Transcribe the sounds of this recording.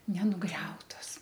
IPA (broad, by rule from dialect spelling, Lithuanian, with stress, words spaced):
nʲɛnʊˈɡrʲɛʊtoːs